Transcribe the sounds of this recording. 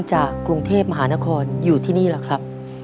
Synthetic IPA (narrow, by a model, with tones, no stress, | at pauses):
ŋt͡ɕaː˨˩kːɾu˧ŋt̪ʰeː˥˩p̚ma˧ɦaː˩˦na˦˥kʰɔː˧njuː˨˩t̪ʰiː˥˩niː˥˩laː˨˩kʰɾa˦˥p̚